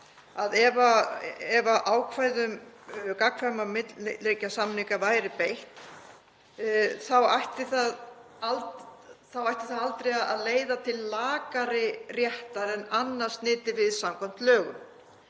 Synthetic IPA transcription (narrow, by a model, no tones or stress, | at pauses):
aðɛvaɛvaʔaːwkʰvaːjðʏmkakʰvamamɪt̪llːejcasamniŋkavaːjɾɪpejht̪ | θawajht̪ɪθað | altθawajht̪ɪθaðalt̪ɾejaa̰ðleːjðat̪ʰɪlːaːkaɾɪrjɛht̪aɾɛnanːaɾ̥st̪nɪːt̪ɪvɪðsamkʰɔm̥t̪lœːɣʏ̰m